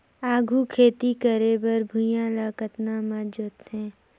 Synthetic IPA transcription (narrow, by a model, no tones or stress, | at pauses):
aːɡʱukʰeːt̪ikəɾeːbəɾbʱʊjãlaːkət̪namad͡ʒʊt̪ɦɛ̃ː